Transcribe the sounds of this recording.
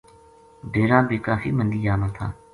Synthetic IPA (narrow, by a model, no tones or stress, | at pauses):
bʱeːɾãːbʱiːkaːfḭːmənd̪iːd͡ʒaːmãːt̪ʰa̰ː